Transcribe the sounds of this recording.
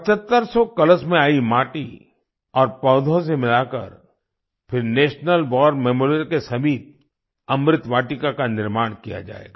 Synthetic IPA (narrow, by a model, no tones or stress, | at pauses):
pɐt͡ʃət̪ːəɾsɔkɐləsmẽaːimaːʈi | ɔːɾpɔːd̪ʱõs̬emɪlaːkə̰ɾ | pʰɪɾneːʃnəlbɔːɾmɛːmoːɾɾkesɐbiːt̪̚ | ɐmɾɪt̪ʋaːʈɪkakanɪɾmaːɽ̃kija̰d͡ʒa̰ːḛːɡaː